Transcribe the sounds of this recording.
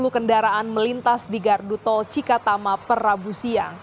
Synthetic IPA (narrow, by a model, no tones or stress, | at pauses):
lukəndaɾaʔanməlint̪asdiɡardut̪ɔlt͡ʃikat̪amapərabusiaŋ